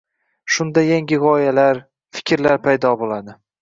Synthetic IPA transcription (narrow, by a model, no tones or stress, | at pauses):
ʃʊnd̪ajaŋʲɪʁɒjalaɾ | fɪ̥kʲʰɾlaɾpʰajd̪ɒbolad̪ɪ